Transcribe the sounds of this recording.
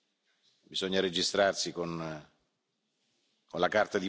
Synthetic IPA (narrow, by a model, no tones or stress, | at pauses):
bizɔɲːaɾed͡ʒist̪ɾarsikon | konlakart̪ad̪i